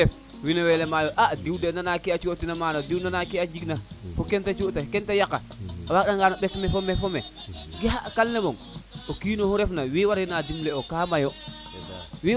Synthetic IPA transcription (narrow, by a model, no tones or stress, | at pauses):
ef | winowelemajoʔadiwdenanakiat͡ʃuotinamanodiwnanakiad͡ʒiɡnafokentat͡ʃotakentajaka̰ | awak̚ɗaŋɡanoɓekmefomefome | ɡiakalnemoŋ | okiːnohuɾefnawiwaɾinadimleokaːmajo | wi